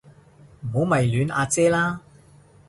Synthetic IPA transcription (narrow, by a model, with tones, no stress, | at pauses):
m̩˨˩ho˨˥wmɐ˨jlyː˨˥na̰ː˧t͡sɛː˥laː˥